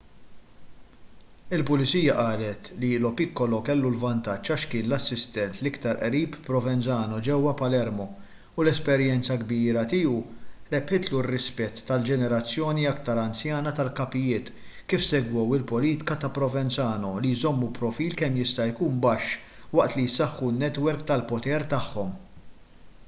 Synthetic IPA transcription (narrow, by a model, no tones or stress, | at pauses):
ɪlpʊlɪt͡siːjɐʔɐːlɛt̪lilɔpɪkːɔlɔkɛlːulvɐnt̪ɐt͡ʃːɐʃkɪːnlɐsːɪst̪ɛnt̪lɪkt̪ɐɾʔɾiːpːɾɔvɛnt͡sɐːnɔd͡ʒɛwːɐpɐlɛɾmɔ | ʊlɛspɛɾjɛnt͡sɐɡbiːɾɐt̪iːuɾɛpħɪt̪lurːɪspɛt̪ːɐld͡ʒɛnɛɾɐt͡sːjɔːniɐkt̪ɐɾɐnsjɐːnɐt̪ɐlkɐpɪjɪːt̪ | kiːfsɛɡwɔwɪlpɔliːt̪ɪ̥kɐt̪ɐpɾɔvɛnt͡sɐːnɔlijzɔmːupɾɔfiːlkɛmjɪst̪ɐjkuːnbɐʃː | wɐʔt̪lijsɐħːunːɛt̪wɛɾkt̪ɐlpɔt̪ɛɾt̪ɐħːɔm